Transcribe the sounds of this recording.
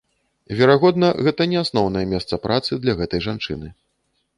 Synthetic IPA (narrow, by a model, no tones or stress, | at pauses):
vʲɛɾaɣɔd̪nɐɣɛt̪ɐnʲɛasnɔwnɐjɛmʲɛst̪sɐpɾʔat̪sɨd̪lʲɐɣɛt̪ɐjʐant͡ʂɨ̰nɨ